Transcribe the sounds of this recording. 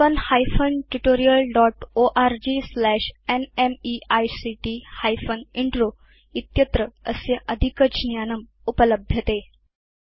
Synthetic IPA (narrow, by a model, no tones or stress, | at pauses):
ənhajfənʈuʈoɾijəlɖɔʈoʔaɾd͡ʑislæɕenemiajsiʈihajfəniɳʈɾo | it̪jət̪ɾəəseʔəd̪ʱikət͡ɕnjanəm | upələbʱjət̪e